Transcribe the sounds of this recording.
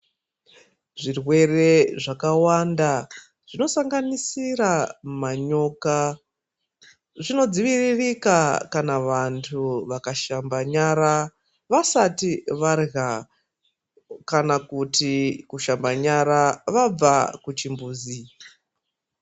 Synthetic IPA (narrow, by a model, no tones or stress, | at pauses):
ʐirwe̞re̞ʐakawanda | ʐ̥ino̞saŋɡanisiɾamaɲoka | ʐino̞d͡ziʋiririkakanaʋantʰuʋakaʃambaɲaɾa | ʋasatiʋarɣa | kanakutikuʃambaɲaɾaʋab͡vakut͡ʃimbuːzi